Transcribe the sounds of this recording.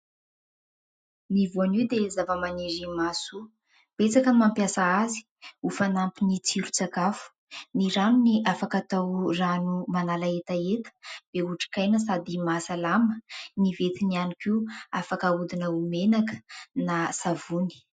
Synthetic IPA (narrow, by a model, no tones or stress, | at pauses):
nivuaniwd̪ezavəmaniɾimasu | b̥et͡sakəmampjasaazi̥ | ufanampinit͡siɾut͡sakafu̥ | niɾanuniʔafakat̪awranumanalaet̪aet̪ə̥b̪̥euʈ͡ʂi̥kajnəsad̪imasalamənivet̪inianikiuafakaud̪inəumenakə̥nasavuni̥